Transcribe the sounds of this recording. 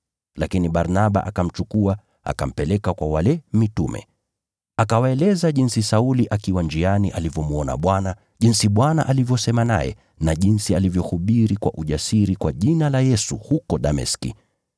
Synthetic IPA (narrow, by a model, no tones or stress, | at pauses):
lakiniɓaɾnaɓa̰ʔakam̩t͡ʃukua | a̰ka̰m̩pɛlɛkakwawalɛmitumɛ̰ | akawaɛlɛzaʄinsisauliʔakiwand͡ʒianiʔalivjɔmuɔna̰ɓwana | ʄinsiɓwana̰ʔalivjɔsɛmana̰jɛ̰ | naʄinsialivjɔhuɓiɾikwa̰ʔuʄasiɾikwaʄinalajɛsuhukɔɗamɛ̰skḭ